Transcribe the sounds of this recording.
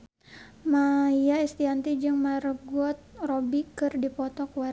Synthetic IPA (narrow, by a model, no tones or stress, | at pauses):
majaist̪iant̪id͡ʒɨŋmaɾəɡuɔt̪̚robikɨrdipɔt̪ɔkwa